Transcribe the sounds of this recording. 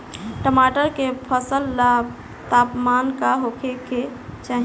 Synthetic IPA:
ʈəmaʈəɾkepʰəsəlːab | t̪aːpmaːnkaɦokʰeket͡ʃaːɦi

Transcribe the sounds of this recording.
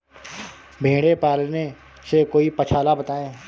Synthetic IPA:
bʱẽːɽepɛːlne | sekoːipɐt͡ʃʰaːlabət̪aːẽː

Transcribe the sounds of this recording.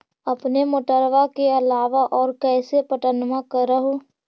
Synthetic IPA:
ɐpnemʊʈəɾʋakeɐlaːʋaʔɔːɾkɛːsepəʈənmãkəɾəɦoː

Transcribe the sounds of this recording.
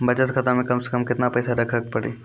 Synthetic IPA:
bɐt͡ʃət̪kʰɐt̪amẽkɐmse̥kəmkɪt̪napɛːsaɾɐkʰək̚pɐɽḛː

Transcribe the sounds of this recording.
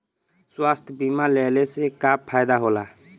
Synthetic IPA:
swast̪ʰbimalɛlesekapʰːajd̪aɦola

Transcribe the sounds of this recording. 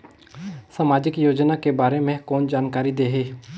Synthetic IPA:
samaːd͡ʒɪkjoːd͡ʒnakebaːɾemẽkɔːnd͡ʒaːnkaːɾid̪eːɦeː

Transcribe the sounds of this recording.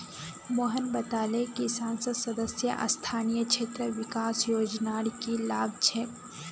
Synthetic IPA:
moːɦənbɐt̪aːlekisãːnsəd̪sɐd̪əsjəʔɐ̰st̪ʰaːnijəkʃʰeːt̪ɾəʋɪkaːsjoːd͡ʒnaːɽikilaːɡ̚t͡ʃʰeː

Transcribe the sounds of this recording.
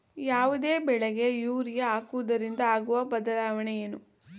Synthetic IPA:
jaːʋud̪eːbɛɭeɡe̞juːɾijɐaːkuʋud̪ɐɾind̪ɐaːɡuʋɐbɐd̪ɐlaːʋɐɳɛjenu

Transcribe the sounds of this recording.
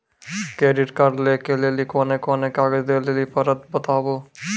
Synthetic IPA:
keːɖɪʈkəɾlekeleːlikoːnekoːnekaːɡəd͡ʒd̪eːlelipəɾət̪̚bət̪aːboː

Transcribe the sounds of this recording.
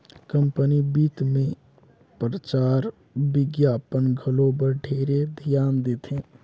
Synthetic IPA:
kə̃mpənibiːt̪mẽ | pɾət͡ʃaːɾ | bɪɡjaːpənɡʱəlobəɾɖʱeɾed̪ʱijaːnd̪et̪ʰẽː

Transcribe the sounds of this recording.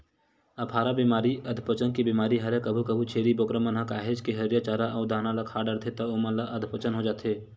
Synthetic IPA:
ɐpʰaːɾabiːmaːɾiɐd̪ʱpət͡ʃənkibiːmaːɾiɦɐɾekəbʱukɐbʱut͡ʃʰeːɾibokɾəmənɦakaːɦed͡ʒkeɦɐɾjat͡ʃaːɾaʔɔːɾd̪aːnalakʰaːɖəɾt̪ʰet̪ɐomənlaʔɐd̪ʱpət͡ʃənɦod͡ʒaːt̪ʰeː

